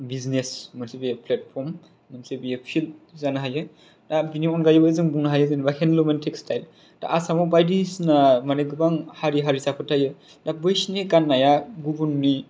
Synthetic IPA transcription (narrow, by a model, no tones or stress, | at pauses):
biznesmɯsibijepʰlet̚pʰɔɾm | nɯmsebijepʰilt̚zanɯɦajɯ | dabiniɔnɡajɯbazɯŋbuŋnaɦajɯzɯnbakʰenlumentʰekstʰajl | d̥a̰ʔːsamɔbajdisnamaneɡɯbaŋhaɾiɦaɾisapʰɯtʰajɯ | dabɯjsneɡanːajaɡubunni